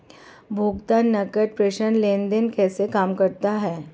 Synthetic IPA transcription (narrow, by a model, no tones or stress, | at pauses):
bʱoːɡt̪anːɐkəʈ̚pɾeːʃənlẽːnd̪enkɛːsekaːmkəɾt̪aɦɛː